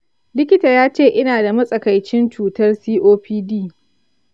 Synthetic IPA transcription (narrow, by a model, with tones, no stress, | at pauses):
lɪ˦kʲɪ˦taː˨jaː˦t͡ʃeː˦˨ʔɪ˦naː˨da˨mɐ˦sʼɐ˨ka˨jt͡ʃɪ˦nt͡ʃuː˨tɐ˦rsiː˦ʔoː˦ɸiː˦diː˦˨